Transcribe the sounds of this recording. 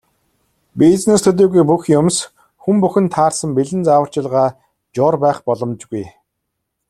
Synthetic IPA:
pit͡snest̪ʰɵt̪̬eːɣujpuxjʊms | xumpuxɘ̆nt̪ʰaːrsə̆mpiɮɘ̆nt͡sawə̆r̥t͡ɕɪ̆ɮʁaː | t͡ɕɔːrpæːχpɔɮɞ̆mt͡ɕɡuj

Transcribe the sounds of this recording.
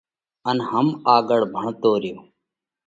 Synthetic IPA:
ənɦəmaːɡəɽbʱəɳt̪oːɾɪjoː

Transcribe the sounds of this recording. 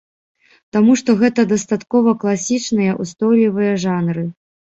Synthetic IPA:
t̪amuʂt̪ɔɣɛt̪ɐd̪ɐst̪at̪kɔvɐklˠasʲit͡ʂnɨjɐʔust̪ɔjlʲivɨjɐʐanɾɨ

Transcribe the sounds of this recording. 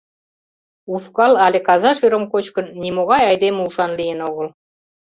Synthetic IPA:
ufkɑlɑlʲekɑzɑʃyɾə̆mkot͡ɕkə̆nːimoɣɑjɑjd̪emulʃɑnlijenoɣə̆l

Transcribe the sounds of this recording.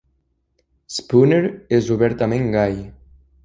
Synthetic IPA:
spuneɾezuβɛɾt̪amẽŋɡaj

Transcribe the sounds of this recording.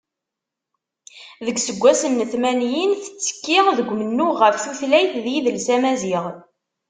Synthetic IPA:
ðəɡsəɡʷːæsənːəθmænjinθə̥t͡sːə̥kːiʁðəɡʷːmənːuʁəfθuθlæjθðjiðəlsæmæziʁ

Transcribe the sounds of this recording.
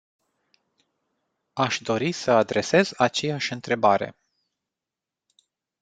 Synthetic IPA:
aʃd̪o̞ɾisəad̪ɾʔe̞se̞zat͡ʃe̞jaʃʲɨnt̪ɾe̞baɾe̞̰

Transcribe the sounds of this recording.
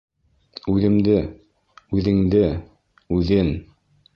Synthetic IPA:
ʉðɘ̆md̪ɘ | ʉðɘ̆ŋd̪ɘ | ʉðɘn

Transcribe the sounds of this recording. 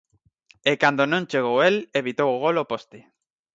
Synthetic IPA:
ekand̪onõnt͡ʃeɣ̞oweleβit̪owoɣ̞olopost̪ɪ

